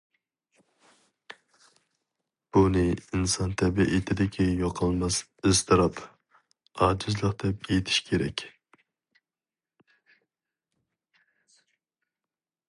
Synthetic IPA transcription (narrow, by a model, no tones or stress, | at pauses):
b̥unɪinsɑnt̪ʰɛbiʔet̪ʰɪd̪ɪkʲʰɛjoqʰəlˠmɑs | ɨst̪ʰɨɾɑp | ɑːd͡ʒɪzlˠəqd̪̥ɛpet̪ʰɪ̥ʃkʲʰeɾɛ̰kʲ